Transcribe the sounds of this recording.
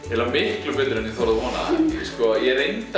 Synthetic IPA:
ɛlːamɪhklʏpɪt̪ɪɾɛniθɔɾaðvɔna̰skɔjɛɾejnt̪

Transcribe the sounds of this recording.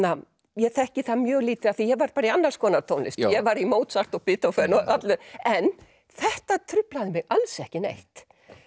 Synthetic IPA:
a | jɛθɛhcɪθamjœːɣliːt̪ɪaθijɛɣvaɾpaːɾaianːaɾ̥skʰɔːnaɾt̪ʰoːwnlɪ̰st̪jɛvaɾimoːwt̪saht̪ɔɣpɪːt̪awfɛɾnɔat̪lɛɾɛn | θɛht̪at̪ʰɾʏplaðɪmɛɣalsɛhcɪnḛjht̪

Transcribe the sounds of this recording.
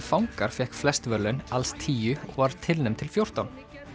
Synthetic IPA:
fawŋkaɾ̥fɛhkflɛst̪vœɾlʏnalst̪ʰiːjʏɔɣvaɾ̥t̪ʰɪlnʏmt̪ʰɪlfjowr̥t̪awn

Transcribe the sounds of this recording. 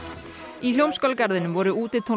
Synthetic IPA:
iljowmskœlkaɾðɪnʏmvɔːɾʏuːt̪ɪt̪ʰo

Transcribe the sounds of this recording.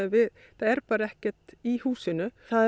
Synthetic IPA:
vɪ | θaɛɾpaːɾaɛhcɛɾ̥t̪ihuːsɪnʏa

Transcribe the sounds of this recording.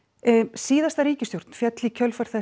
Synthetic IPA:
siːðast̪aɾiːcɪst̪jowɾ̥t̪n̥fjɛt̪lɪcʰœlfaɾ̥θɛ

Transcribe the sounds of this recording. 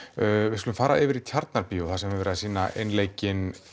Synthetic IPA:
vɪskʏlʏmfaːɾa̰ɪvɪɾit̪ʰjaɾt̪naɾpiɔθasɛmvɪvɛɾðsiːnaḛjnleːjcɪn

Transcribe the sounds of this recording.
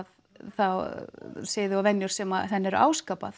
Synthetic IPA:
ð | θawsɪːðɪawvɛnjʏɾ̥sɛmaθɛnːɛɾa̰ːwskaːpa̰θ

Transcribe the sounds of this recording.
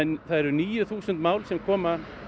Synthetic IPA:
ɛnθaðɛɾɾniːjʏθuːsʏnt̪maːwlsɛmkʰɔːma

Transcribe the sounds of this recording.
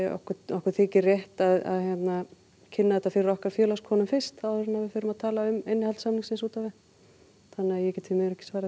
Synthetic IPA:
ɔ̰hkʏɔhkʏɾ̥θɪːcɪrjɛht̪aða̰ðçjɛt̪na | cʰɪnːaðɛt̪afɪɾɾɔhkaɾ̥fjœːlaskʰɔːnʏmfɪr̥st̪awɾɪnavɪfɪɾʏmaðt̪ʰaːlaʏmejnːɪhalt̪samniŋsɪnsuːt̪avɪ | θanːɪajɛcɛːt̪ʰɪlmɪɣɾɛhcɪ̥svaːɾ

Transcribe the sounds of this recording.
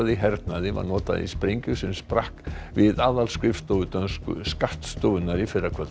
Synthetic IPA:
aðiɦɛɾt̪naðɪva̰ɾnɔːt̪a̰ðḭspɾejɲcʏsɪmspɾahkvɪðaːðalskɾɪft̪owʏt̪ansskaht̪st̪owʏnaɾifɪɾːakʰvœt̪

